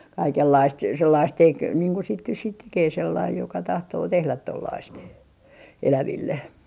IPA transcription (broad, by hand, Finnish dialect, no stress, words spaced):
kɑikelːɑist selːɑist tek niːŋ ku sit nys siːt tekeː selːɑij jokɑ tɑhtoː tehlæt tolːɑist elæʋilːe